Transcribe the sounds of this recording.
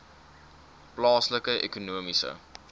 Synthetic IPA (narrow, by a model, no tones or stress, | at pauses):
plɑːsləkəʔḛkunuəmisə̰